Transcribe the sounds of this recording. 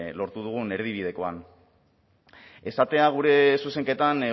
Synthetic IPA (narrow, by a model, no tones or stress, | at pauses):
lo̞ɾt̪uð̞uɣ̞une̞ɾðiβ̞ið̞e̞ko̞an | e̞sat̪e̞aɣ̞uɾe̞suse̞ŋke̞t̪an